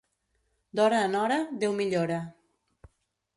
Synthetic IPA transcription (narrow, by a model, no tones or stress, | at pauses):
d̪ɔɾaːnɔɾaðewmiʎoɾa